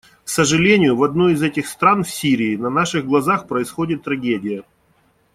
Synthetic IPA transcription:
ksəʐɨlʲenʲɪjʊvɐd̪nuɪzɛtʲɪxst̪ɾanfsʲiɾʲɪːnɐnaʂɨɣɡlˠɐzaxpɾəɪsxodʲɪt̪ːɾɐɡʲedʲɪjə

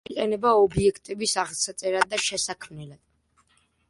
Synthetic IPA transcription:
iqʼɛnɛbaɔbiɛkʰt̪ʼɛbisaʁsat̪sʼɛɾad̪̚ːaʃɛsakʰmnɛlad̪̥

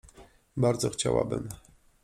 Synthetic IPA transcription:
baɾd̪zɔxt͡ɕawa̰bɘm

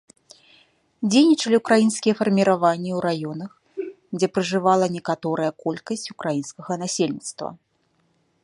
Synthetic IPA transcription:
d͡zʲejnʲit͡ʂɐlʲiukɾajinskʲijɛfɐrmʲiɾavanʲːiwɾajɔnɐx | d͡zʲɛpɾɨʐɨvalˠɐnʲɛkat̪ɔɾɐjɐkɔlʲkɐsʲt͡sʲu̥kɾajinskɐɣɐnasʲelʲnʲit̪st̪vɐ̰

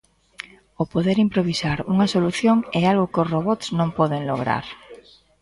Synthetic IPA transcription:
opoðeɾimpɾoβ̞isaɾuŋɐsoluθjoŋɛalɣʊkʊsroβɔt̪snõmpɔðeŋloɣ̞ɾa̰ɾ

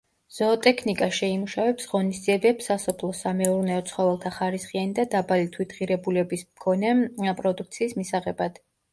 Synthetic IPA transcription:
z̥ɔt̪ʼɛkʰnikʼaʃɛimuʃavɛpsʁɔnisd̪ziɛbɛpsːasɔpʰlˠɔsamɛuɾnɛɔt̪sʰχɔvɛlˠt̪ʰaχaɾisχianid̪ad̪abalit̪ʰwit̪ʰʁiɾɛbulɛbismkʰɔnɛpʼɾɔd̪uk̚t̪sʰiːsmisaʁɛbad̪̥

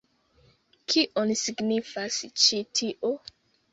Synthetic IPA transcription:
kʰiʔonisiɡnifast͡ʃitʰiʔo

